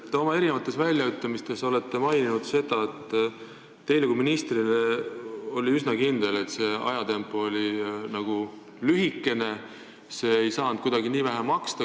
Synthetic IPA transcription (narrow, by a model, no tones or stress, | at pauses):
t̪ːo̞mɑe̞ɾinevɑt̪ːˑe̞svælʲjɑyt̪ˑːɑmist̪e̞so̞le̞t̪ːe̞mɑjninud̪̥se̞d̪̥ɑet̪ˑː | e̞jleɡuminist̪rineo̞lʲiysnɑkind̪̥e̞le̞t̪ːˑse̞ɑ̰jɑt̪e̞mpːˑo̞lʲinɑɡ̥u | lyɦikːe̞ne̞ | se̞ejsɑːnd̥̪̚kud̪̥ɑɡiniːvæɦæmɑkst̪ɑ